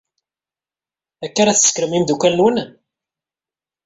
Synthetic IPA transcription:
ækːaɾæθə̥sːkəɾəmimd̪ukːælnwən

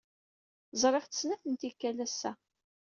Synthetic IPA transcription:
zˤɾˤeχtə̥snæθənt̪ikːælæsːæ

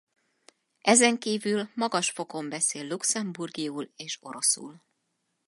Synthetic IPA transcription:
ʔɛzɛŋkiːvylmɒɡɒʃfo̞ko̞mbɛseːlːuksɛmburɡiuːleːʃo̞ɾo̞sṵːl

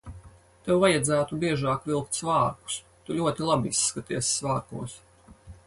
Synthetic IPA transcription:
t̪ewvajad̪zæːt̪ubiɛʒɑːkvilˠkt̪svaːɾku̥s | t̪uʎʲuɔt̪ilˠabiisːkat̪iɛssːvaːɾkuɔs

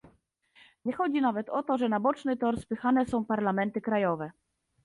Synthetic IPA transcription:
ɲɛxɔd͡ʑinavɛt̪ɔt̪ɔʐɛnabɔt͡ʂnɘt̪ɔɾspɘxanɛsɔ̃w̃paɾlamɛnt̪ɘkɾajɔvɛ

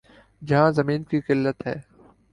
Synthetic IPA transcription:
d͡ʒɐɦãzɐmiːnkikɪlːət̪ɦɛː

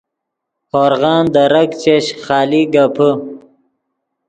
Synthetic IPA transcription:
hoɾɣɑːnd̪ɐɾɐkt͡ɕeɕχɑːliɡapʰə

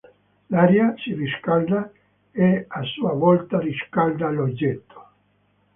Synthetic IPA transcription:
laɾjasiriskald̪a | easuavɔlt̪ariskald̪alod͡ʒːet̪ʰːo̥

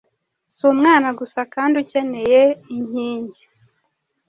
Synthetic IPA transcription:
sumŋaːnaɡusakaːnduce̞ne̞jeiɲiːɲɟi̥

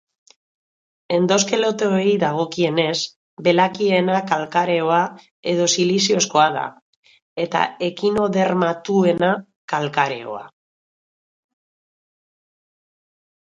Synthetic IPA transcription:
e̞nd̪o̞ske̞lo̞t̪eoiðaɣ̞o̞kie̞ne̞z | be̞lakie̞nakalkaɾe̞o̞a | e̞ð̞o̞silisio̞sko̞aða̰ | e̞t̪a̰e̞kino̞ðe̞ɾmat̪ue̞na | kalkaɾe̞̰o̞̰a̰

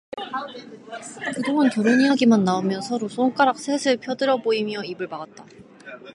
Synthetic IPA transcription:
kɯdoŋankjʌɾoɲiɦaɡimanːaomjʌnsʰʌɾosʰoŋk͈aɾak̚s͈ʰesʰɯɭpʰjʌdɯɾjʌboimjʌibɯɭpaɡat̚t͈a

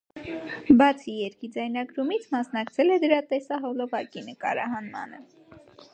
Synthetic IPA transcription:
bɑt͡sʰijɛɾkid͡zɑjnɑɡɾumit͡sʰmɑsnɑkt͡sʰɛlɛd̪əɾɑt̪ɛsɑɦɔlɔvɑkinəkɑ̰ɾɑ̰ɦɑnmɑ̰nə

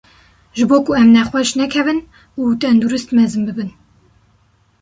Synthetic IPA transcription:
ʒɨboːkuɛmnɛχwɛʃnɛkʰɛvɨn | uːt̪ɛnd̪uɾɨst̪mɛzɨmbɨbɨn

